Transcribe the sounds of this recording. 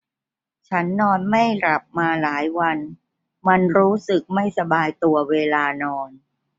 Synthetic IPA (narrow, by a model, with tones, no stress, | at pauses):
t͡ɕʰa˦˥nːɔː˧nma˥˩jɾa˨˩p̚maː˧laː˩˦jwa˧n | ma˧nɾuː˦˥sɯ˨˩k̚ma˥˩jsa˧baː˧jt̪u˧ɐweː˧laː˧nɔː˧n